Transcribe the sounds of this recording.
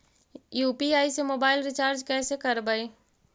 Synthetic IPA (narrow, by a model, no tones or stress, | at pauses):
juːpiaːisemoːbaːɪlɾɪt͡ʃaːɾd͡ʒkɛːsekɐɾbəeː